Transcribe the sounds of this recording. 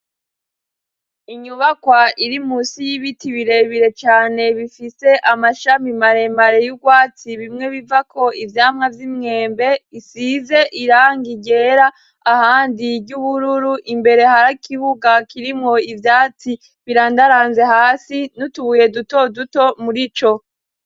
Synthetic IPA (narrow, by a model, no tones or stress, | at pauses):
iɲuβakwaʔiɾimuːsijiβitʰiβiɾeβiɾe̞t͡ʃaːne̞βifise̞ʔamaʃamimaɾe̞maɾe̞juɡwaːt͡siβimŋe̞βivakʰo̞ivjaːmŋavjimŋe̞ːmbe̞isize̞ʔiɾaːŋɡiɟe̞ːɾaː | haːndiɡɟuβuɾuɾuʔimbe̞ɾe̞haɾakʰiβuɡakiɾimŋo̞ivjaːt͡si | βiɾaːndaɾaːnze̞haːsinutuβuje̞duto̞duto̞muɾit͡ʃo̞